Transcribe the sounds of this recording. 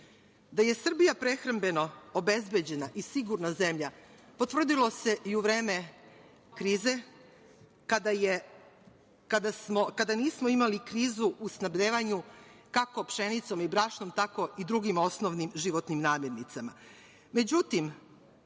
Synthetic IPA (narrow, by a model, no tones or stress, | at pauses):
d̪aje̞sr̩bijapɾe̞xɾambe̞no̞obe̞zbe̞d͡ʑe̞naʔisiɡuɾnaze̞mʎapot̪vr̩d̪ilo̞se̞ʔiuʋɾe̞ːme̞ | kɾiːze̞ | kad̪aje | kad̪asmokad̪aniːsmoimalikɾiːzuʔusnabʎʲeːʋaɲukakopʃe̞nit̪so̞mibɾaːʃno̞mt̪ako̞id̪ɾuɡimo̞snoʋnimʒiʋot̪nimnaːmjeɾnit̪sama | me̞d͡ʑut̪im